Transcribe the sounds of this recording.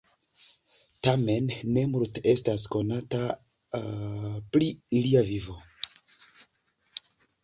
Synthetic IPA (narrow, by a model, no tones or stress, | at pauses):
tame̞nːe̞muɾte̞stasko̞nata | pliiliavivo̞